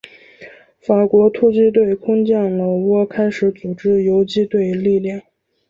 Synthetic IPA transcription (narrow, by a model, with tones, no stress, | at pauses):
fa˨˩kwɔ˧˥t̪ʰu˥˧t͡ɕi˥t̪we˥˩ɪkʰʊ˥ŋt͡ɕjɛ˥˩ŋlə˨˩wɔ˥kʰa˥ɪʂɻ̩˧˥t͡su˨˩ʈ͡ʂɻ̩˥jo˧˥ʊt͡ɕi˥t̪we˥˧ɪli˥˧ljɑ˥˩ŋ